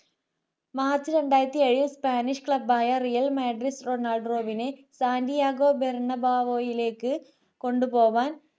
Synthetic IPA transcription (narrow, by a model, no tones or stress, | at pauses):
maːrt͡ɕɨɾeɳɖaːjɾɐt̪ːieɻispaːniʂkɭɐbaːjɐrijɐlmaːɖɾisroːnaːlɖroːʋinesaːndijaːɡoːbeɾɳɐbaːʋoːjileːkːɨ | koɳɖupoːʋaːn